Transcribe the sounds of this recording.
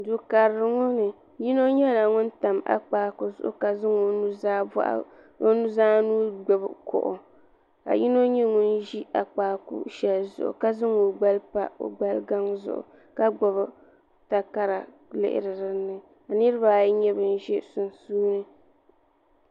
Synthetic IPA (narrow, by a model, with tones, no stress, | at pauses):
dʊ˨ka˨ɾɾɨ˨ŋʊ˦nɨ˨ | ji˦no˦ɲɛ˦la˨ŋʊ˦n̩˦ta˨mʔa̰˦k͡paː˨kʊ˨zʊ̰˦ʔʊ̰˦ka˨zɨ˦ŋo˨nu˦za˦ba̰˦ʔa̰˦ | o˦nu˦zaː˦nuː˦ɡ͡bɛ˨bkʰɔ̰˨ʔʊ̰˨ | ka̰˨ji˦no˦ɲɛ˦ŋʊ˦n˦ʒi˦ʔa˨k͡paː˨kṵ˦ʃɛ˨lzʊ̰˦˨ʔʊ̰˨ka˦zɨ˦ŋu˨ɡ͡ba˦lpa̰˦o̰˨ɡ͡ba˦lɡa˦ŋzʊ̰˨ʔʊ̰˨ | ka˦ɡ͡bɔ˨βɨ˦ | ta˨ka˦ɾa˨ | lɪ̰˦ʔɪ̰˦ɾɨ˨ɾɨ˦nːɨ˨ | a˨nɨ˦ɾɨ˦ba˦˨˦ɲɛ˦bɨ˨n˦ʒɛ˦sʊ˨nsuː˦nɨ˦